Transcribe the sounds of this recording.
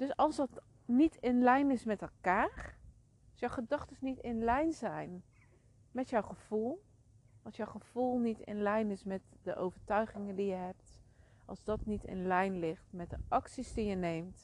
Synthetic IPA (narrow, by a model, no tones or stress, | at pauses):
d̥ɵsɑlˠsdɔt | nitʰɪnlɛjnɪsmɛtɛlˠkaːr | sjɔwχədɑχtəsnitɪnlɛjnzɛjn | mɛtjɔwχəv̥ulˠ | ɑlˠsjɔwχəv̥ulˠnitɪ̰nlɛjnɪsmɛtdəʔo̰wvəɹtœɥχɪŋəndijəɦɛp̚t | ʔɑ̰lˠzdɔtnitɪ̰nlɛjnlɪχtmɛt̚dəʔɑksisdijənejmt